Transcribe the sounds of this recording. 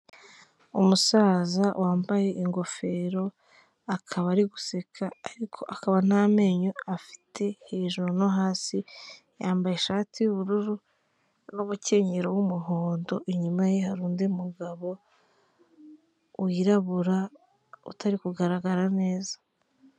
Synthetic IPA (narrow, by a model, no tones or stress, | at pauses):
umusaːzawʔaːmbaje̞ʔiŋɡo̞fe̞ːɾo̞ | akʰaβaɾiɡu̥se̞kʰaːɾikʰo̞̰ʔakaβanaːme̞ːɲoafi̥tʰe̞he̞ːʒoɾonoɦaːsi | jaːmbaje̞ʃaːtijuβuɾuɾu | numuce̞ːɲeɾowumuɦoːndo̞ʔiɲumajehaɾuːndeumuɡaβo̞ | wiɾaβuɾa | ṵtaɾikuɡaɾaɡaɾane̞ːzḁ